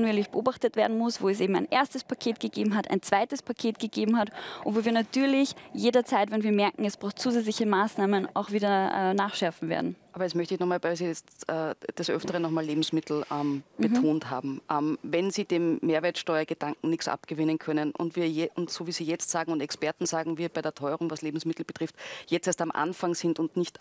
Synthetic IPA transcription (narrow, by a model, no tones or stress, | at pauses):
nueːlɪçb̥əʔoːbaχtətv̥eːɐdn̩mʊsv̥oːɛs̬ʔeːbm̩aɪnʔeːɐstəspʰakʰeːtɡ̥əɡeːbm̩ɦatʰa̰ɪnt͡sv̥aɪtəspʰakʰeːtɡ̥əɡeːbm̩ɦatʔʊntvoːviɐnatʰyːɐlɪçjeːdɐt͡saɪtvɛnviːɐmɛɐkŋ̩ɛsb̥ʁaʊxt͡suːzɛt͡slɪçəmaːsnaːməna̰ʊxv̥iːdɐʔɛ̰ːnaːχʃɛɐfn̩vḛːɐdn̩ʔaːbɐjɛsmœçtəɪçnɔχmaːlbɛɪsiɛt͡stʔɛːd̥asʔœ̰ftəʁənɔχmaːleːbm̩smɪtl̩ʔɛmb̥ətʰoːntɦa̰ːbm̩ʔɛmvɛnziːd̥eːmːeːɐvɛːɐtʃtɔʏɐɡ̥əd̥aŋkŋ̩nɪçksʔa̰pɡ̥əvɪnənkʰœnənʔʊ̰ntviːɐjɛʊntsoːviːz̥iːjɛt͡stz̥aːɡŋ̩ʊntɛkspɛɐtn̩z̥aːɡŋ̩viːɐbaɪɾːɐtʰɔʏəʁʊŋvasleːbm̩smɪtl̩b̥ətʁ̥ɪftjɛt͡steːɐstamʔa̰nfaŋz̥ɪndʊndnɪçt